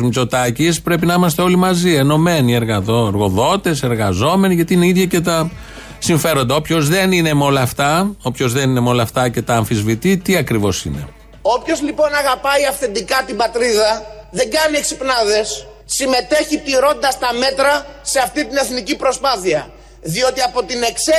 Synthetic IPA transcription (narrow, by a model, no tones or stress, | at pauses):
zmit͡so̞t̪ɐcispɾe̞pinɐimɐst̪eo̞limɐzie̞no̞me̞nie̞ɾɣɐoeɾɣo̞ðo̞t̪e̞se̞ɾɣɐzo̞me̞niʝɐt̪iineiðʝɐce̞t̪ɐ | siɱfe̞ɾo̞nd̪ɐo̞pço̞zðe̞nine̞meo̞lɐːft̪ɐo̞pço̞zðe̞nine̞meo̞lɐft̪ɐce̞t̪ɐːɱfizvit̪it̪iɐkɾivo̞sḭne̞̰ | o̞pço̞zlipo̞nɐɣɐpɐiɐfθe̞nd̪ikɐt̪ibɐt̪ɾiðɐðe̞ŋɡɐnieksipnɐðe̞sː | ime̞t̪e̞çit̪iɾo̞nd̪ɐst̪ɐme̞t̪ɾɐse̞ɐft̪it̪ine̞θnicipɾo̞spɐθiɐ | ðio̞t̪iɐpo̞t̪ine̞kse